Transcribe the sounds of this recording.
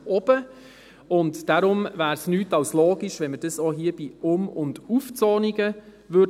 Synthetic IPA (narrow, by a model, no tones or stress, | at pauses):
ɔb̥ə | ʊntd̥aɾʊmvæːɾsnyːtɑʊslɔːɡiʃʋɛnməd̥əsɔːɦiːəb̥iːʊmʊnduft͡sɔːniɡə | vø